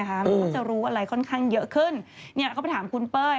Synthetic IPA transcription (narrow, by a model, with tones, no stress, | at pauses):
kʰa˦˥ma˧˥kʰːt͡ɕa˨˩ɾuː˦˥a˥˧ɾa˧jkʰɔ˥˩nkʰaː˥˩ŋjɤ˦˥ʔkʰɯ˥˩nni˥˩ɐkʰa˥˩pa˧˩t̪ʰaː˩˦mkʰu˧npɤː˥˩